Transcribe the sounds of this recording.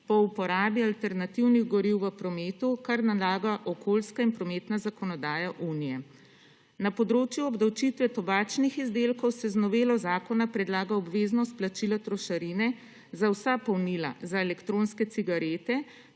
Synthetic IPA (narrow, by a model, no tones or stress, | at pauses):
pɔupɔɾaːbialt̪ɛɾnat̪iwniɣɡɔɾiwʋəpɾɔmeːt̪ukaɾnalaːɡaʔɔkʰolskainpɾɔmeːt̪nazakɔnɔd̪aːjaʔunijɛ | napɔd̪ɾoːt͡ʃjuɔbd̪awt͡ʃit̪ʋɛt̪ɔbaːt͡ʃnixizd̪eːlkɔwsɛznɔʋeːlɔzaːkɔnapɾɛd̪laːɡaɔbʋeːznɔst̪̚plat͡ʃilat̪ɾɔʃaɾinɛ | zawsapɔwnila̰zaelɛkt̪ɾonskɛsiɡaɾeːt̪ɛ